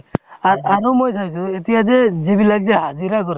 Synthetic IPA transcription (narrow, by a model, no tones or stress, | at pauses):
aɾaɾɔmojt̪ʰajsuet̪ijad͡ʒɛd͡ʒebilaɡ̚d͡ʒɛɦad͡ʒiɾakɔɾ